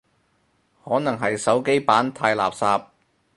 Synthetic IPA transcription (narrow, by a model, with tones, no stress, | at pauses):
hɔː˨˥nɐ˨˩ŋɦɐ˨jsɐ˨˥wke˥jpaː˨˥nt̪ʰaː˧jla̰ː˨p̚saː˧p̚